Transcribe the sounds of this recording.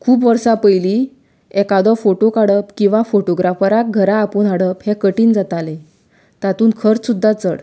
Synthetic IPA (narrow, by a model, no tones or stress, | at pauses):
kʰuːpʋəɾsapəjli | ɛkad̪ɔfoʈokaɽəpkĩw̃ʋafoʈoɡɾafəɾak̚ɡʱəɾaːpəɳɦaɽəphekəʈiːnd͡zat̪ale | t̪at̪uːnkʰəɾt͡ssud̪ʱːat͡səɽ